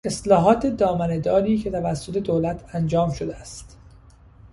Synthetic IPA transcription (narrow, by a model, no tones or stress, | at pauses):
e̞slɒːɦɒːt̪ʰe̞d̪ɒːmæne̞d̪ɒːɾiːcʰe̞t̪ʰævæsːo̞t̪ʰe̞d̪oːlæt̪ʰænd͡ʒɒːmʃod̪eæst̪